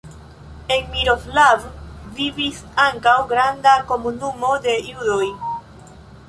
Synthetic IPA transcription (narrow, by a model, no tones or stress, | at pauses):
enmiɾoflavvivisaŋkawɡɾandako̞munumo̞de̞judo̞j